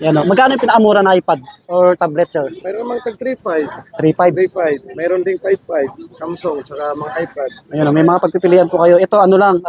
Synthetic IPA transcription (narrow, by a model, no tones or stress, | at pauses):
jɐnomɐɡkːaːnojʊ̃pɪnɐʔɐmuːɾɐnʔajpad̪̚ʔoɹt̪ablɛt̪̚t͡ʃɛmɛɾonɐmɐŋt̪ɐɡ̚t̪ɾipajbt̪ɾipajpajb̚mɛːɾond̪ɪŋpajb̚pajb̚samsoŋt͡ʃɐkamɐŋaʔajpad̪̚ɐjonomɐjmɐŋapɐɡ̚pɪpɪlɪːʔanpʊkɐjo̞ʔɛt̪o̞ʔɐnolaŋ